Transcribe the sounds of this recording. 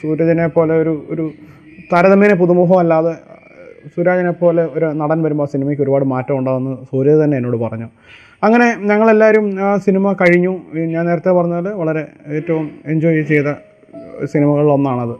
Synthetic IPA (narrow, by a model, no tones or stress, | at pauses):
suːɾɐd͡ʑɐnepːo̞ːle̞o̞ɾuoɾu | t̪ɐɾɐðɐmeːnep̬uðumuːɦɐmɐlːaːðe | suːɾaːd͡ʑɐnepːo̞ːle̞o̞ɾunɐɽɐnʋɐɾumboːsinimɐjkʲːo̞ɾubaːɽɨmaːtːɐmuɳɖaːʋɐnːɐsoːɾjɐðt̪ɐnːe̞eːnːo̞ːɽɨpɐrɐɲːu | ɐŋːɐne̞ɲɐŋːɐɭe̞lːaːɾjumsinimɐkɐɻiɲːuɲaːne̞ːɾɐt̪ːepɐrɐɲːulʋɐɭɐɾe̞eːtːɐʋumeɲd͡ʑo̞ːjit͡ɕe̞jt̪ɐ | sinimɐɣɐɭiɭo̞nːaːɳɐðɨ